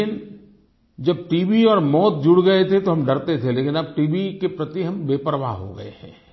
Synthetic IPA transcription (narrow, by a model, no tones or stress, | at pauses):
ɪn | d͡ʒɐb̚ʈiːbiɔːɾmɔːt̪̚d͡ʒʊɽɡɐet̪ʰet̪oɦɐmɖɐɾt̪et̪ʰeleːkɪnɐb̚ʈiːbikepɾɐt̪iɦɐmbeːpəɾʋa̰ɦo̰ɡɐ̰ḛɦɛ̰̃ː